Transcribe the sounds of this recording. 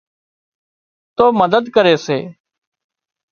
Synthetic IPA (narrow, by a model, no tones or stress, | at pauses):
t̪oːməd̪əd̪kəɾeːsḛː